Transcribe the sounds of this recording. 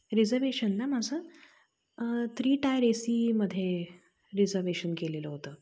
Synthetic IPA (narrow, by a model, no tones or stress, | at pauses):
ɾid͡zəɾʋeɕənːam̤ad͡zəː | t̪ʰɾiːʈajɾesiməd̪ʱːje | ɾid͡zəɾʋeɕənkeleləɦot̪əː